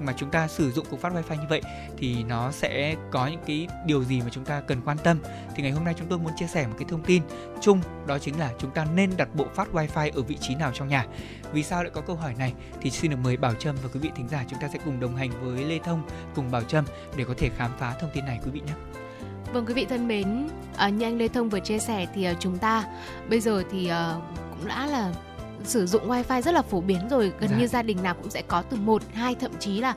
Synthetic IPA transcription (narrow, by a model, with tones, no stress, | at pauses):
maː˨˩t͡ɕʊ˨˦ŋ͡mt̪aː˧sɨ˧˩zʊ̰˧˨ŋ͡mkwk̚fa˦˥waː˧jfaː˧jɲɨ˧və̰˧˨j | t̪ʰi˨˩nɔ˨˦sɛ̰˧˥kɔ˨˦ɲɨ̰˧˥ŋkaː˨˦jɗi˨˩əwzi˨˩maː˨˩t͡ɕʊ˨˦ŋ͡mt̪aː˧kə˨˩nkwaː˧nt̪ə˧m | t̪ʰi˨˩ŋa˨˩jhɦo˧mna˧jt͡ɕʊ˨˦ŋ͡mt̪o˧jmu˨˦nt͡ɕi˧əsɛ˧˩m˨˩t̚kaː˨˦jt̪ʰə˧ŋ͡mt̪i˧n | t͡ɕʊ˧ŋ͡m | ɗɔ˨˦t͡ɕï˨˦ŋ̟laː˨˩t͡ɕʊ˨˦ŋ͡mt̪aː˧ne˧nɗa˨˩t̚ɓo̰˧˨faː˦˥t̚waː˧jfaː˧jʔəː˧˩vḭ˧˨t͡ɕi˨˦naː˨˩wt͡ɕɔ˧wŋ͡mɲaː˨˩ | vi˨˩saː˧wa̰ː˧˨kɔ˨˦kə˧wɦɔ˧˩jna˨˩j | t̪ʰi˨˩si˧nɗɨ˨˩əkməː˨˦jɓaː˧˩wt͡ɕə˧mvaː˨˩kwi˨˦vḭ˧˨t̪ʰï˨˦ŋ̟zaː˧˩t͡ɕʊ˨˦ŋ͡mt̪aː˧sɛ̰˧˥kʊ˨˩ŋ͡mɗə˨˩wŋ͡mɦa˨˩jŋ̟vəː˨˦jle˧t̪ʰə˧wŋ͡m | kʊ˨˩ŋ͡mɓaː˧˩wt͡ɕə˧m | ɗe˧˩kɔ˨˦t̪ʰe˧˩xaː˨˦mfaː˨˦t̪ʰə˧wŋ͡mt̪i˧nːa˨˩jkwi˨˦vḭ˧˨ɲaː˨˦ | və˧˩ŋkwi˨˦vḭ˧˨t̪ʰə˧nɓe˨˦n | ʔəː˨˩ɲɨ˧ʔa˧ŋle˧t̪ʰə˧wŋ͡mvɨ˨˩ət͡ɕi˧sɛ˧˩t̪ʰi˨˩ʔəː˨˩t͡ɕʊ˨˦ŋ͡mt̪aː˧ | ɓə˧jzəː˨˩t̪ʰi˨˩ʔəː˨˩kʊ̰˧˥ŋ͡mla̰ː˧˥laː˨˩ | sɨ˧˩zʊ̰˧˨ŋ͡mwaː˧jfaː˧jzə˦˥t̚laː˨˩fo˧˩ɓi˨˦ənzo˨˩jɣə˨˩nɲɨ˧zaː˧ɗï˨˩ŋ̟naː˨˩wkʊ̰˧˥ŋ͡msɛ̰˧˥kɔ˨˦t̪ɨ˨˩mo˨˩t̚haː˧jt̪ʰə̰˧˨mt͡ɕi˨˦laː˨˩